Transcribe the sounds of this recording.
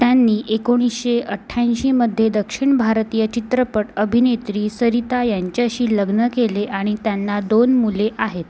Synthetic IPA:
t̪janːiːʔekoɽ̃isɕeʔəʈʰːaj̃ɕiməd̪ʱːjed̪əkʂiɳbʱaɾt̪ijət͡ɕit̪ɾəpəʈəbʱinet̪ɾiːsəɾit̪ajaɲt͡ɕaɕiːləɡnəkeleʔaɽ̃it̪janːad̪onmuleʔaɦet̪

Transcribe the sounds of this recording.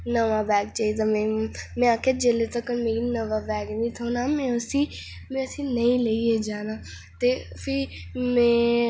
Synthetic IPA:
nəʋaːbɛːɡt͡ʃaːiːd̪amɛ̃ːmɛ̃ːaːkʰaːd͡ʒeːlet̪əkmeːɾiːnəʋaːbɛːɡnĩːt̪ʰoːnaːmɛ̃ːəsiː | mɛ̃ːəsĩːnəĩːleied͡ʒaːnaː | t̪eːpʰɪ | mɛ̃ː

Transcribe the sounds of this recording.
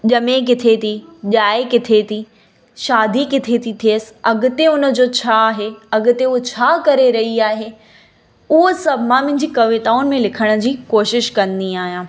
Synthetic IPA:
ʄɐmek̬ɪt̪ʰet̪ʰiʄaːekɪt̪ʰet̪i | ʃaːd̪ʱikɪt̪ʰet̪ʰit̪ʰiəsɪ̥̆ɐɡʊ̆t̪eʊnə̆d͡ʑoːt͡ɕʰaɦeɐɡʊ̆t̪eʊɦot͡ɕʰaːkɐɾeɾɐɦiaːɦe | ʊɦosɐbʱɪmãmɐ̃ɦɪ̃ɲ̆d͡ʑikɐʋet̪aːʊnɪ̆mẽlɪkʰəɽ̃ə̆d͡ʑiːkoːʃɪʃkɐ̃nd̪iaːɦijãː

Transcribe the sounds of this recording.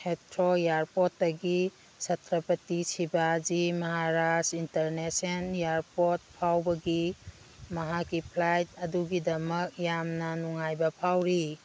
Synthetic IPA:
hetɾojaɾpotːɐɡi | sɐtʰɾɐpɐtisibad͡ʒimɐɦaɾasintɐɾnesenjaɾpot̚pʰawbɐɡi | mɐɦakipʰlajt̚ɐduɡidɐmɐk̚jamnɐnuŋajbɐpʰawɾi

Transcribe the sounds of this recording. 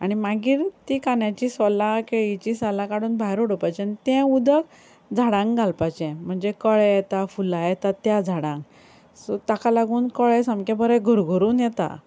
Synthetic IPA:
aɽ̃imaɡiːɾt̪ikanjat͡ɕiːsəlakeɭit͡ɕisəlakaɽuːnbʱaɦiɾoɽopajt͡ɕanit̪ɛ̃ud̪ək | d͡zʱaɽãŋkɡʱalpat͡ɕɛ̃m̤əɳd͡zekəɭɛjɛt̪afulajɛt̪at̪jad͡zʱaɽãŋk | sɔt̪akalaɡuːnkəɭɛsəmkɛ̃bəɾɛɡʱuɾɡʱuɾuːnjɛt̪a̰

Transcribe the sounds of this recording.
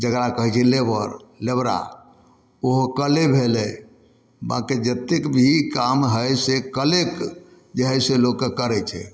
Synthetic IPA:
d͡ʒəɡɾakəɦɛt͡ʃʰɛlebəɾlebɾa̰ | oɦkəlebʱelɛ | ba̰kid͡ʒət̪ekbʱikamɦəjsekəlek | d͡ʒəɦəjselokːekəɾɛt͡ʃʰɛ̰

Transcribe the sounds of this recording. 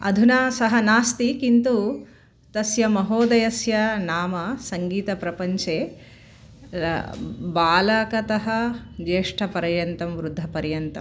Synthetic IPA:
ɐ̰d̪ʱunaːsɐɦɐnaːst̪ikint̪u | t̪ɐsjɐmɐɦoːd̪ɐjɐsjɐnaːmɐsɐŋɡiːt̪ɐpɾɐpɐɲt͡ʃeː | baːlɐkɐt̪ɐɦɐd͡ʒeːʂʈʰɐpɐɾɐjɐnt̪ɐmʋɾud̪ʱːɐpɐɾjɐnt̪ɐm

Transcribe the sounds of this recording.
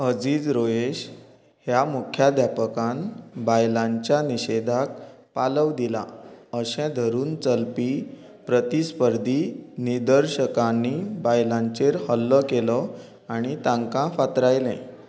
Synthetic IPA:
əd͡ziːd͡zɾoeɕ | hjamukʰjad̪ʱjapəkãnbajlãɲt͡ɕjaniɕed̪ʱak̚ | paləʋd̪ila̰əɕɛ̃d̪ʱəɾuːnt͡səlpi | pɾət̪ispəɾd̪ʱiniɾd̪əɾɕəkãnːibajlãɲt͡ɕeɾhəlːəkelɔ | aɽ̃it̪ãŋkãfat̪ɾajlɛ̰̃

